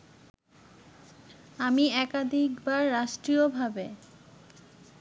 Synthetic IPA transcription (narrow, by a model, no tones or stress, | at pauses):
amiɛkad̪ʱikbaɾːaʃʈɾiobʱabe